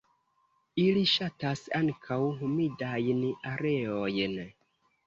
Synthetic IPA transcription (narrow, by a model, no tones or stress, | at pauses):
iliʃatasaŋkʰawɦumidajnaɾe̞ojn